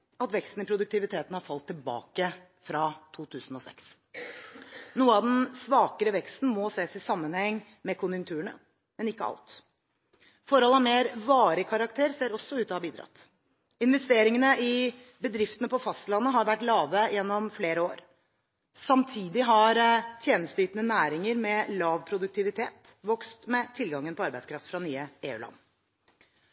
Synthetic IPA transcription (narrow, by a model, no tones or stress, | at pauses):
ɑt̪ʋɛkst̪n̩ɪpʰɾʊd̪ʉk̚t̪ɪʋɪt̪ʰeːt̪n̩hɑɾfɑlt̪ʰːɪlbɑ̰ːkə | fɾɑt̪ʰuːt̪ʰʉːsn̩ɔsɛ̰ks | nuːəɑʋd̪ɛnsʋɑːkəɾəʋɛkst̪n̩mɔseːsɪsɑmːənhɛŋː | mɛkʰʊnjʉŋt̪ʰʉːəɳə̰ | mɛnɪkːəɑ̰lt̪ | fɔɾhɔlɑmeːɾʋɑːɾəkʰɑɾɑk̚t̪ʰeːɾseːɾɔsːɔʉːt̪ɔːhɑbiːd̪ɾɑ̰t̪ | ɪnʋɛst̪eːɾɪŋənəʔɪ | bəd̪ɾɪft̪ənəpʰɔfɑst̪əlɑnːəɦɑɾʋæʈːlɑːʋəjɛnːɔmfleːɾəoːɾ | sɑmt̪ʰiːd̪ɪɦɑɾt̪ʰjeːnəst̪yːt̪ənənæːɾɪŋəɾmɛlɑːʋpʰɾʊd̪ʉk̚t̪ʰɪʋɪt̪ʰeːt̪ | ʋɔkst̪mɛt̪ʰɪlɡɑŋːənpʰɔɑɾbæɪskɾɑft̪fɾɑnyːəeːʉ̰ːlɑ̰nː